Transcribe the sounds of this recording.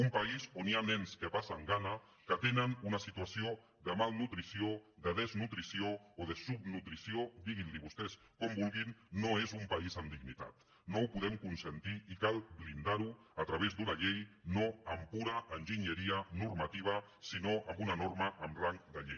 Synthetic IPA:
umpaizonianɛnskəpasaŋɡana | kət̪enənunasit̪uasio | ðəmalˠnut̪ɾisioðəð̞əznut̪ɾisioːðəsubnut̪ɾisiod̪iɣinliβust̪ɛs | kombulɣinːoezumpaizənd̪iɡnit̪a̰t̪ | nowpuðɛmkunsənt̪iikalβlind̪aɾuat̪ɾaβ̞ezd̪unaʎejnoəmpuɾaːnʒiɲəɾianuɾmat̪iβ̞a | sinoʔambunanoɾmaʔəmraŋkd̪əʎej

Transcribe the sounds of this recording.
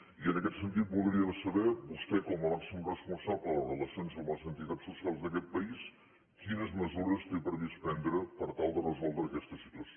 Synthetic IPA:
iənəkɛt̪sənt̪̬it̪̚bulˠɾiəðəsəβɛbust̪ɛkɔmənasunrəspunsapləlˠərələsjonzomələsənt̪it̪atsːusialˠzðəkɛt̪̚pəis | kinəzməzuɾəst̪epɾəβispɛnd̪ɾəpəɾt̪alˠd̪ərəzɔlˠd̪ɾəːkɛst̪əsit̪uəs

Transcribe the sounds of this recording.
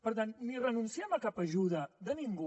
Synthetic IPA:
pəɾt̪̬anːirənunsiɛmɐkapəʒuðəðəniŋɡu

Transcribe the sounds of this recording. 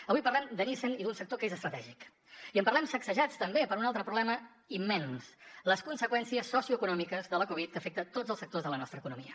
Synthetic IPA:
əβujpərlɛmd̪ənisənid̪unsək̚t̪okezəst̪ɾət̪ɛʒik | iəmpərlɛmsəksəʒat͡st̪əmbepəɾunalˠt̪ɾəpɾuβlɛmə | imːɛnsləskunsəkwɛnsiəsːɔsiuəkunɔmikəzðələkuβ̞it̪̚kəfɛk̚t̪ət̪od͡zəlˠsək̚t̪ozðələnɔst̪ɾəkunumiə

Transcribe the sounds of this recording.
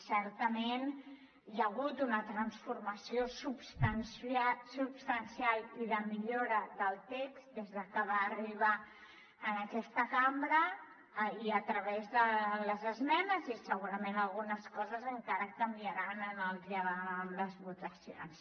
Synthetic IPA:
sɛɾt̪əmen | jəɣut̪unət̪ɾənsfuɾməsiosubst̪ənsasupst̪ənsialˠiðəmiʎoɾəðəlˠt̪ekzd̪ezðəkəβaːriβaː | nəkɛst̪əkambɾə | iət̪ɾəβɛzðələzəzmɛnəzisəɣuɾəmenəlˠɣunəskɔzəzəŋkaɾəkəmbiəɾanənəlˠʒəələzβut̪əsio̰ns

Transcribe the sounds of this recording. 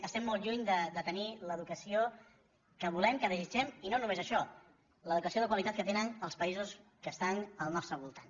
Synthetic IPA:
əst̪ɛmːɔlˠʒuɲd̪əd̪ət̪əniləðukəsio | kəβulɛmkəðəzid͡ʒɛminonumezəʃɔ | ləðukəsioðəkwəlit̪at̪kət̪enənəlˠspəizuskəst̪anəlˠnɔst̪ɾəβulˠt̪an

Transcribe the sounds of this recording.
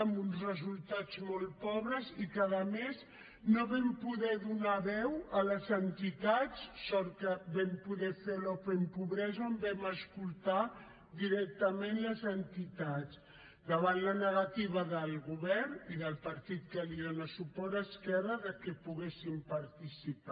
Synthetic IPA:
munzrəzulˠt̪ad͡zmolˠpɔβɾəzikəðəmez | noβɛmpuðɛðunaβɛwələzənt̪it̪at͡sːɔɾkəβɛmpuðɛfelopempuβɾɛzəombɛməskulˠt̪a | d̪iɾɛk̚t̪əmenləzənt̪it̪at͡s | d̪əβanlənəɣat̪iβəðəlˠɣuβɛrniðəlˠpəɾt̪it̪̚kəliənəsupɔɾəskɛrəðəkɛpuɣesimpəɾt̪isipa

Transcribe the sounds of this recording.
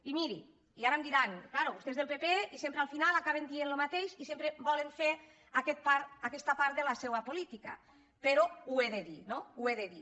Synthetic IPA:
imiɾḭ | iaɾamd̪iɾaŋklaɾoβust̪ezðelˠpepeisempɾealˠfinalakaβ̞end̪ienlomat̪eʃisempɾebɔleɱfeɾ | akɛt̪̚paɾtakɛst̪apaɾt̪̚d̪elasewapolit̪ika̰ | peɾoueðeðinoueðeði

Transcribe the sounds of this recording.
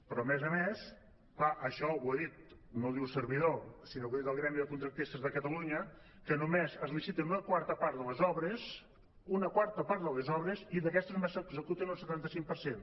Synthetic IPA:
pɾɔəmezəmes | klaʔəʃɔweðit̪̚noðiwsəɾβiðosinoiəlˠɣɾɛmbiðəkunt̪ɾək̚t̪ist̪əzðəkət̪əluɲə | kənumezəzlisit̪ənunəkwaɾt̪əpaɾt̪ðəlezɔβɾəs | unəkwaɾt̪əpaɾt̪ðəlezɔβɾeziðəkɛst̪ezmesəɡzəkut̪ənulˠsət̪ant̪əsiŋ̚pəɾsen

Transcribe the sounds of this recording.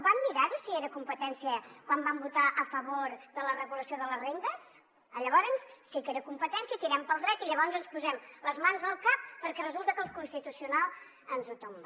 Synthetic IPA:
bamːiɾaɾusieɾəkumpət̪ɛnsiəkwambambut̪aʔəfəβoɾðələrəɣuləsioðələzrend̪əs | əʎəβ̞ɔɾənsːikeɾəkumpət̪ɛnsiət̪iɾɛmpəlˠd̪ɾɛt̪iʎəβɔnzənspuzɛmləzmanzðəlˠkapːəɾkɛrəzulˠt̪əkəlˠkunst̪it̪usiunalˠ | ənzut̪ombə

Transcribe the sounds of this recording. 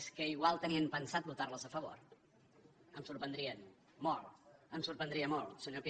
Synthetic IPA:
skəiɣwalˠt̪əniəmpənsat̪̚but̪arləzəfəβ̞o̰ɾ | əmsuɾpənd̪ɾiən | molˠəmsuɾpənd̪ɾiəmolˠsəɲopi

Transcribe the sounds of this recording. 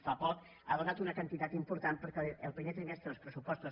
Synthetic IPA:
fapɔk | aðunat̪unəkənt̪it̪at̪impuɾt̪ampəɾkɛəlˠpɾimet̪ɾimest̪ɾəðəlspɾəsupɔst̪o

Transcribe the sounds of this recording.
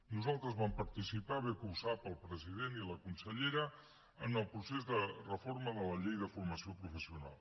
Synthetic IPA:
nuzalˠt̪ɾəzβampəɾt̪isipaβekuwzapəlˠpɾəziðeniləkunsəʎeɾə | ənəlˠpɾusezðərəforməðələʎejðəfurməsiopɾufəsiuna̰lˠ

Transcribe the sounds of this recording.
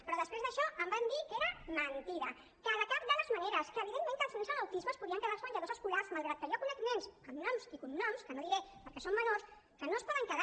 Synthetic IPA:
pɾɔðəspɾezðəʃɔʔəmbamd̪ikeɾəmənt̪iɾə | kaðəkap̚d̪ələzməneɾəskəːβiðemːẽŋkəlˠsfumezənəwt̪izməspuðiəŋkəðaɾzməɲd͡ʒəðoszəskularzmalˠɣɾat̪̚kəjokunɛkmensəmnɔmsikumnɔmskənoðiɾɛpəɾkɛsomːənos | kənospɔðəŋkəða

